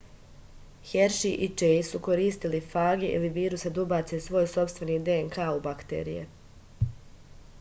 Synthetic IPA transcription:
heɾʃiʔit͡ʃejsuko̞ɾiːst̪ilifaːɡeʔḭliʋiːɾusad̪ubat̪sesʋo̞ːjso̞pst̪vʋe̞niːd̪eeŋkaːubakt̪ḛɾḭjḛ

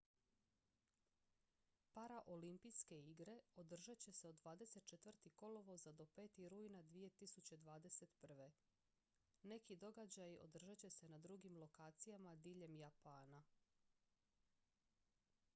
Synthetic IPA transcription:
paɾaʔo̞limpijske̞iɡɾe̞o̞d̪r̩ʒat͡ɕe̞se̞o̞d̪ːʋaːd̪e̞se̞t̪̚t͡ʃet̪ʋr̩t̪iko̞lo̞ʋo̞zad̪o̞pe̞ːt̪iɾuːjnad̪ʋije̞t̪isut͡ɕe̞d̪ʋaːd̪e̞se̞t̪pr̩ʋe̞ | ne̞kid̪o̞ɡad͡ʑajo̞̰d̪r̩ʒat͡ɕe̞se̞nad̪ɾuɡimlˠo̞kaːt̪sijamad̪iːʎe̞mjapaːna

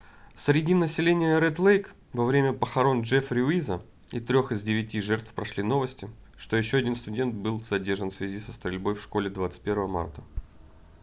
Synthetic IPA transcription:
sɾʲɪdʲinəsʲɪlʲenʲɪjəɾɛt̪lˠejk | vɐvɾʲemʲəpəxɐɾo̞nʐɛfɾʲɪʊizə | it̪ɾʲo̞xɨzdʲɪvʲɪtʲiʐɛrt̪fpɾɐʂlʲino̞vəsʲtʲɪ | ʂt̪o̞jɪɕːoɐdʲinst̪ʊdʲe̞nt̪̚bɨlˠzɐdʲe̞rʐənfsvʲɪzʲisəst̪ɾʲɪlʲbo̞jfʂko̞lʲɪd̪vat̪sɨ̥t̪̚ʲpʲe̞ɾvəvəma̰rt̪ə

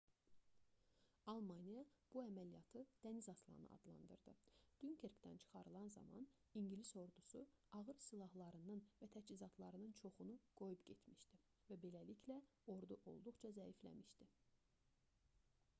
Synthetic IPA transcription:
ɑlˠmɑnijɑb̥uæmælijɑt̪ʰɯd̪̥ænizɑslˠɑ̰nɯ̰ʔɑ̰d̪lˠɑ̰nd̪ɯ̰ɾd̪ɯ̰d̪̥ynkʰeɾkt̪æ̰nt͡ʃʰɯ̥χɑɾɯlˠɑnzɑ̰mɑ̰n | iɲɟiliso̞ɾd̪usuɑɣɯɾsilˠɑhlˠɑɾɯnɯnvæt̪ʰæt͡ʃizɑt̪ʰlˠɑɾɯnɯnt͡ʃʰo̞χunuɡ̥o̞jupɟe̞t̪ʰmiʃd̪i | væbe̞læliclæ | o̞ɾd̪uʔo̞̰lˠd̪uχt͡ʃʰɑzæiflæ̰miʃd̪i

